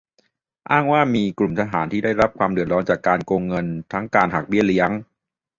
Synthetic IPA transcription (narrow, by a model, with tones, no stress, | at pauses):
ʔaː˥˩ŋwaː˥˩miː˧klu˨˩mt̪ʰa˧ɦaː˩˦nt̪ʰiː˥˩da˥˩jɾa˦˥p̚kʰwaː˧mdɯ˨˩ə˩t̪̚ɾɔː˦˥nt͡ɕaː˨˩kːaː˧nkoː˧ŋːɤ˧nt̪ʰa˦˥ŋkaː˧nɦa˨˩k̚bi˥˩ɐli˦˥əŋ